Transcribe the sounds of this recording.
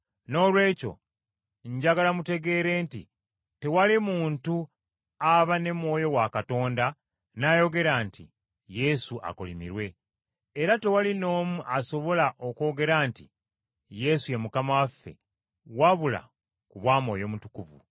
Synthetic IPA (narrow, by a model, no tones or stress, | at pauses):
no̞ːlwe̞ːco̞̰ | ɲɟaɡalamute̞ɡe̞ːɾe̞ːntḭ | te̞walimuːntu | aβane̞mwo̞ːjo̞wakato̞ːnda | najo̞ɡe̞ɾaːntḭ | je̞suʔa̰kolimḭɾwe̞ː | ɾate̞walino̞ːmuʔaso̞βo̞laʔo̞ko̞ːɡe̞ɾaːntḭ | je̞suje̞mukamawafːe̞̰ | waβula̰ | kuβwaːmo̞ːjo̞ːmutukuvṵ